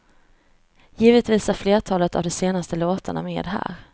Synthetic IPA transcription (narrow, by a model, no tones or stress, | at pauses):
jiːvət̪viːsæɾfleːʈʰɑːlət̪a̰vd̪ɛseːnast̪əloːt̪ʰaɳa̰meːd̪ɦæ̰ːɾ